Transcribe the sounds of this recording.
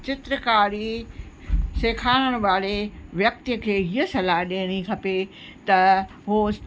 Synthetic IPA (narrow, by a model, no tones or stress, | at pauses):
t͡ɕɪt̪ɾəkaːɾi | seːkʰaːɽ̃əɽ̃ʊ̆ʋaːɽeʋjɐk̚t̪əkʰeːɦiəsɐlaːɦɗeːɽ̃ikʰɐpe | t̪ɐ | ɦu